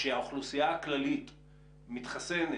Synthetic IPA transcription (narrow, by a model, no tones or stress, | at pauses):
eaoχlusijaaklalit | mitχasene